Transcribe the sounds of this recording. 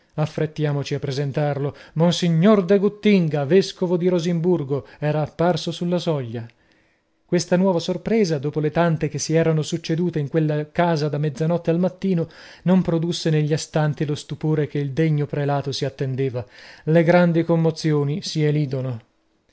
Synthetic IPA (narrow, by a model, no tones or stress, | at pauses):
afːɾet̪ːjaːmot͡ʃiapːɾezent̪arlomonsiɲːord̪eɡut̪ːiŋɡaveskovod̪iɾozimburɡoɛːɾaːpːarsosulːasɔʎːa | kwest̪anwɔːvasorpɾeːzad̪oːpolet̪ant̪ekesːiɛːɾanosut͡ʃːed̪uːt̪eiŋkwelːakaːzad̪amːɛd̪zːanɔt̪ːealmat̪ːiːnonompɾod̪usːeneʎːiast̪ant̪ilost̪upoːɾekeild̪eɲːopɾelaːt̪osiat̪ːend̪eːvaleɡɾand̪ikomːot̪sjoːnisieliːd̪ono